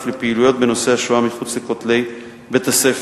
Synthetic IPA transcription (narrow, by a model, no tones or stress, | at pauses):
flepeilujo̞t̪̚be̞no̞seaʃuamiχut͡slekot̪le̞j | bet̪asef